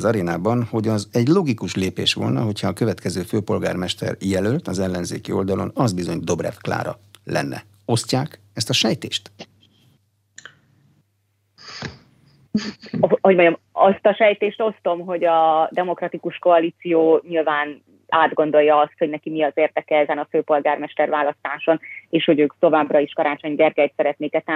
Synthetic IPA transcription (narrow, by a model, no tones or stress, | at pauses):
zɒɾeːnaːbɒnho̞ɟɒzɛɟlo̞ɡikuʃleːpeːʃʋo̞lnɒ̰ɦo̞cʰhɒːkøvɛt̪kɛzøːføːpo̞lɡa̰ːrmɛʃt̪ɛ̰rjɛlølt̪ɒzɛlːɛnzeːkio̞ld̪ɒlo̞̰nɒzbizo̞ɲd̪o̞brɛ̰fkla̰ːɾɒ̰lɛ̰nːɛ̰ | o̞scaːk | ɛst̪ɒʃɛjt̪ḛːʃt̪ | ɦo̞ɟmoɲɒmɒst̪ɒʃɛjt̪eːʃt̪o̞st̪o̞mɦo̞ɟɒd̪ɛmo̞krɒt̪ikuʃko̞ɒliːt̪sijoːɲilvaːn | aːd̪ɡo̞nd̪o̞jːɒɒst̪ho̞ɟnɛkimiɒzeːrd̪ɛkɛɛzɛnɒføːpo̞lɡaːrmɛʃt̪ɛrvaːlɒst̪aːʃo̞neːʃho̞ɟøːkt̪o̞vaːbrɒiʃkɒɾaːt͡ʃo̞ɲɡɛrɡɛjt̪sɛɾɛt̪neːkɛt̪a